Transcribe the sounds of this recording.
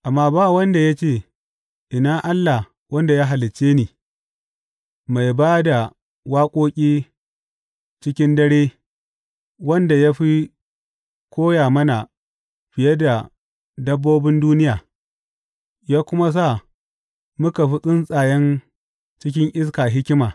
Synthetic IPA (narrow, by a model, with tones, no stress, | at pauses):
ʔa˨mːaː˦baː˦˨wɐ˦nda˨ja˦t͡ʃeː˦˨ | ʔɪ˨naː˦ʔa˦lːa˨h | wɐ˦nda˨jaː˦ɦa˨lɪ˨t͡ʃːeː˦niː˨ | ma˨jbaː˦da˨ | waː˦kʷʼoː˦kʲʼiː˦ | t͡ʃɪ˦kʲɪ˦ndɐ˦ɽeː˦ | wɐ˦nda˨ja˦ɸi˦ | kʷoː˦jaː˨mɐ˦na˨ | ɸɪ˨jɐ˦da˨ | dɐ˦bːoː˦bɪ˦nduː˦nɪ˦jaː˨ | jaː˦kʷʊ˦ma˦s̬a˦˨ | mʊ˦ka˨ɸi˦sʼɪ˦nsʼaː˨jɛ˦n | t͡ʃɪ˦k̬ʲɪ˦ŋʔɪ˦s̬kaː˨ɦɪ˦kʲɪ˦maː˨